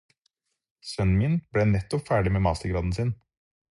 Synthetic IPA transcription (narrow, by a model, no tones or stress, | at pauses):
sœnmɪnb̥lɛnɛt̪ːɔpfæːɖɪmeːmɑːst̪əɾɡɾɑːd̪n̩sɪn